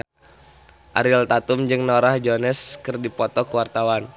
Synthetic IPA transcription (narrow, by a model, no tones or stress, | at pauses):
ʔa̰ɾɪlt̪at̪ʊmd͡ʒɨŋnoɾahd͡ʒonɛskɨrdipɔt̪ɔkəwart̪awan